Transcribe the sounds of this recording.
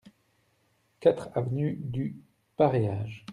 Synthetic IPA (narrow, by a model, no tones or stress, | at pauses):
kat̪χavnyd̪y | paʁejaːʒ